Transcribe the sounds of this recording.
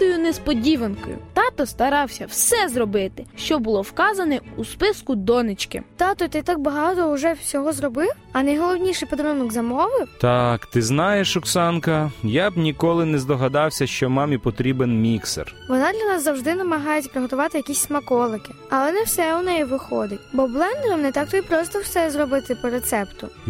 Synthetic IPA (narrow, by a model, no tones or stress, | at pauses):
t̪ɔjʊnespɔdʲiʋɐnkɔ̰jʊ̰t̪ɑt̪ɔst̪ɐɾɑwsʲɐwsɛzrɔbɪt̪ɪʃt͡ʃɔbʊlˠɔwkɑzɐnɛuspɪskʊd̪ɔnɪt͡ʃkɪ̰t̪ɑt̪ɔjt̪ɪt̪ɑk̚bɐɦɑt̪ɔʊʐɛsʲɔɦɔzrɔbɪw | ɐnɐjɦɔlˠɔwnʲiʃɛjpɔd̪ɾɪnɔɡzɐmɔʋɪt̪ɑkt̪ɪznɑjeʃʊksɑnkɐjabnʲikɔlˠɪnɛzd̪ɔɦɐd̪ɑwsʲɐʃt͡ʃɔmɑmʲipɔt̪ɾʲibenmʲiksḛrʋɔnɑd̪lʲɐnɑszɐwʒd̪ɪnɐmɐɦɑjetʲpɾɪɦɔt̪ʊʋɑt̪ɪjɐkʲisʲsmɐkɔlˠɪkɪ̥ | ɐlˠɛnɛwsɛʊnɛjiʋɪxɔd̪ɪtʲbɔblˠɛnd̪ɛɾɐmnɛt̪ɑk̚t̪ɔipɾɔst̪ɔwsɛzrɔbɪt̪ɪpɔɾet̪sɛpt̪ʊ